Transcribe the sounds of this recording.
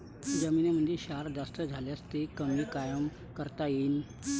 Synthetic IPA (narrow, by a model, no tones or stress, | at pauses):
d͡zəmiːneməɳd͡ʑeɕaɾd͡zast̪əd͡zʱaljast̪ekəmiːkajəm | kəɾt̪ain